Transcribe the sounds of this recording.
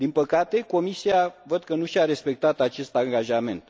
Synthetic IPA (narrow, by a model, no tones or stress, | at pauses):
d̪inpəkat̪e̞ko̞misiavəd̪kənuʃaɾe̞spe̞k̚t̪at̪at͡ʃe̞st̪aŋɡaʒame̞̰nt̪